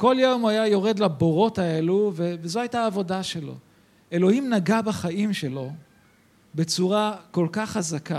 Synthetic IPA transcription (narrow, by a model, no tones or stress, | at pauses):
ko̞ljomajajo̞ʁe̞d̪labo̞ʁo̞tae̞luvevezoajtaːvo̞daʃe̞lo̞̰ | e̞lo̞himnaɡabaχaimʃelo̞ | be̞t͡suʁako̞lkaχazaka